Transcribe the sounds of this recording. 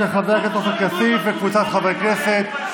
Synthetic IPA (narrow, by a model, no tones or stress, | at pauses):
eχaveaket̪ːo̞χakjasifvekvut͡sat̪χavejkeset̪